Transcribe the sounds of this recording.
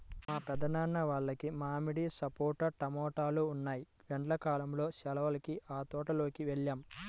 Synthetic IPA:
maːpɛd̪ɐnaːnːɐʋaːɭːɐkimaːmiɽisɐpoːɾʈɐʈɐmɔːʈaːluːnːaːji | ʋɛɳʈlɐkaːlɐmlo̞ːʃɛlɐʋɐlɐkiʔaːt̪ɔːʈɐlo̞ːkiʋeɭːaːm

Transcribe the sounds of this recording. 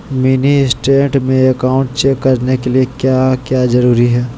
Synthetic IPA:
mɪnisʈẽːʈmẽɐkaːʊ̃ɳʈ̚t͡ʃeːkːɐɾnekeliekjaːkjaːzɐɾuːɾiɦɛː

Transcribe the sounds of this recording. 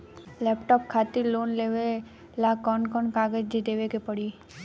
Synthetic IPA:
lɛːpʈɔːp̚kʰaːt̪iɾloːnleːʋe | laːkɔːnkɔːnkaːɡəd͡ʒd̪id̪eːʋekepəɽi

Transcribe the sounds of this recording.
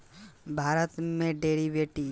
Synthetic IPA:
bʱaːɾət̪mẽɖeːɾiʋeːʈi

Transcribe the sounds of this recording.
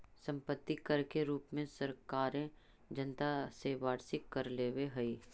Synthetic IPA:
sɐ̃mpət̪ːikɐɾkeɾuːpmẽsɐɾkaːɾẽ | d͡ʒənt̪aseʋaːɾsɪkːɐɾleːweɦɐi

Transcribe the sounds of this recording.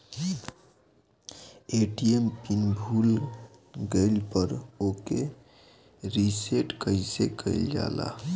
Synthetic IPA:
eʈiempinbʱuːl | ɡəɪlpəɾoke | ɾiseʈkəisekəɪld͡ʒa̰ːla̰

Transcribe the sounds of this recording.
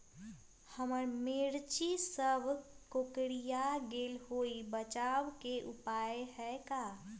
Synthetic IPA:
həməɾmeɾt͡ʃisəbʱkokɽijaɡeːlɦoibət͡ʃaːwkeʔupaːeɦɛka

